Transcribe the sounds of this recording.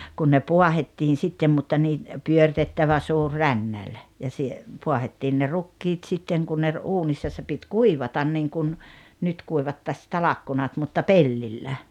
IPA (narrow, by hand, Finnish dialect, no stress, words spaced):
kun ne puɑhetːiːn̞ sitːem mutːɑ niː pyørĭtetːæʋæ suːr rænːælʲ jɑ sie puɑhetːiːn ne rukːiːt sitːeŋ ku ne ruːnisːɑ se pit kuiʋɑtɑn niŋkun nyt kuiʋɑtːɑs tɑlɑkːunɑt mutːɑ pelːilːæ